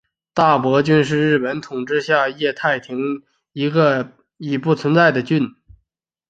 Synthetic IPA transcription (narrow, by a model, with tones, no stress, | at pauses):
t̪a˥˩pwɔ˧˥t͡ɕy˥˧nʂ̬ɻ̩˥˧ɻɻ̩˥˩pə˧˥nt̪ʰʊ˨˩ŋʈ͡ʂɻ̩˥˧ɕja˥˧jɛ˥˧t̪ʰa˥˩ɪt̪ʰi˧˥ŋ | i˧˥ɡə˧ | i˨˩pu˥˩t͡sʰwə˧˥nt͡sa˥˩ɪd̪ə˩t͡ɕy˥˩˧n